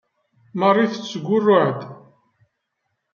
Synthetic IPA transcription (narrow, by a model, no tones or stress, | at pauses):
mərˤːiθət͡sːɡʷːʊrːʊʕd̪